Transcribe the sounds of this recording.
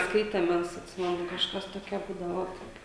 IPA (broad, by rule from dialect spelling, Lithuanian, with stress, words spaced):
ˈskɐɪtʲɛm ˈmʲɛs ɐtʲˈsʲɪmʲɛnʊ kɐʃˈkɐs toːˈkʲɛ ˈbuːdɐʋoː ˈoːt